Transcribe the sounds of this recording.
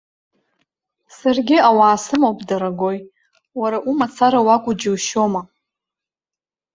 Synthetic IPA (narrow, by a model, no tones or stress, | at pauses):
sarɡʲɪawaːsɨmowpʼdaɾaɡo̞j | waɾaʔumat͡sʰaɾawakʷʼʊd͡ʒiwʃoma